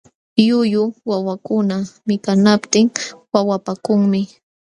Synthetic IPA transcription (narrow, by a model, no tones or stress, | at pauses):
jʊjʊwawakʊnamɪkanapt̪ɪŋwawapakʊŋmɪ